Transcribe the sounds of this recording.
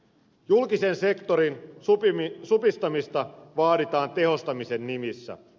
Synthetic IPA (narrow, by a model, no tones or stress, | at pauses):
julkise̞nse̞kt̪o̞ɾin | supist̪ɑmist̪ɑʋɑːɾit̪ɑːnt̪e̞ɦo̞st̪ɑmise̞nːimisːæ̰